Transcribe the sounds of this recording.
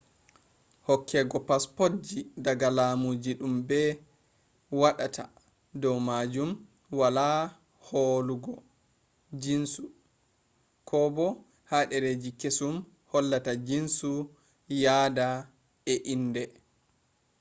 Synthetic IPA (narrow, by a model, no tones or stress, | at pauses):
hɔkʰːɛɡɔpaspɔtd͡ʒidaɡalaːmud͡ʒiɗumbɛ | waɗata | dɔwmad͡ʒum | wala | holuɡɔ | d͡ʒinsu | kʰɔbɔ | haɗɛɾed͡ʒikesum | hɔlːatad͡ʒinsu | jaːda | ɛʔindɛ